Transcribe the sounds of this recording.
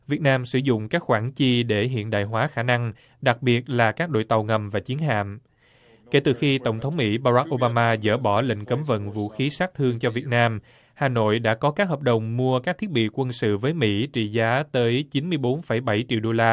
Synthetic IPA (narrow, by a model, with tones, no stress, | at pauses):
vi˨˩ət̚naː˧msɨ̰˧˩zʊ̰˧˨ŋ͡mkaː˦˥k̚xwaː˧˩nt͡ɕi˧ɗe˧˩ɦḭ˧˨ənɗa̰ː˧˨jɦwaː˨˦xaː˧˩na˧ŋ | ɗa˨˩k̚ɓi˨˩ət̚laː˨˩kaː˦˥k̚ɗo̰˧˨jt̪a˨˩wŋə˨˩mvaː˨˩t͡ɕi˨˦ənɦa̰ː˧˨m | ke˧˩t̪ɨ˨˩xi˧t̪ə˧˩wŋ͡mt̪ʰə˨˦wŋ͡mmḭ˧˥ɓaː˧ɾa˦˥k̚ʔo˧ɓaː˧maː˧zə̰ː˧˩ɓɔ˧˩lḭ̈˧˨ŋ̟kə˨˦mvə̰˧˨nvṵ˧˨xi˨˦saː˦˥k̚t̪ʰɨ˧əŋt͡ɕɔ˧vi˨˩ət̚naː˧m | haː˨˩no̰˧˨jɗa̰ː˧˥kɔ˨˦kaː˦˥k̚ɦəː˨˩p̚ɗə˨˩wŋ͡mmu˧əkaː˦˥k̚t̪ʰi˦˥ət̚ɓḭ˧˨kwə˧nsɨ̰˧˨vəː˨˦jmḭ˧˥t͡ɕḭ˧˨zaː˨˦t̪əː˨˦jt͡ɕi˨˦nmɨ˧əjɓo˨˦nfə˧˩jɓa˧˩jt͡ɕḭ˧˨wɗo˧laː˧